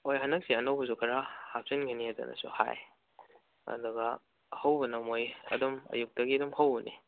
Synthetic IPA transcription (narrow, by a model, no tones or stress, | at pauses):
ojɦɐnɐk̚siɐnɐwbɐsukʰɐɾahap̚sinkʰiniezɐ̰nɐ̰sṵha̰j | ɐ̰duɡɐ | hɐwbɐnɐmojɐ̰dɔmɐ̰juk̚dɐɡiɐdumhawbɐnḭ